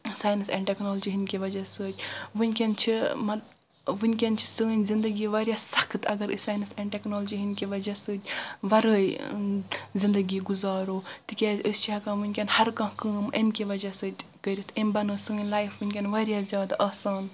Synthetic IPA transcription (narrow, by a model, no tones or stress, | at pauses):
saːjnɨsɛ̰ɳʈeknoːld͡ʒiɦinʲkʲiʋɐd͡ʒɐsəːt̪ʲʋɨnʲkʲɐnt͡ʃʰimɐ | ʋɨnʲkʲɐnt͡ʃʰi̥səːnʲzind̪əɡiːʋɐːɾʲjasɐkʰt̪ɐɡɐɾsaːnɨsɛ̃ɳɖʈeknoːld͡ʒiɦinkʲiʋɐd͡ʒɐsəːt̪ʲʋɐɾəːj | zind̪ɐɡiːɡuzaːɾoːt̪ikʲeːzəst͡ʃʰiɐkãːʋɨnʲkʲɐnhɐɾkɐ̃ɦkəːmɐmkʲiʋɐd͡ʒɐsəːt̪ʲkəɾʲit̪ʰembɐnɨːsɨːnʲlaːjifʋɨnʲkʲenʋɐːɾjazʲjaːd̪aʔɐːsaːn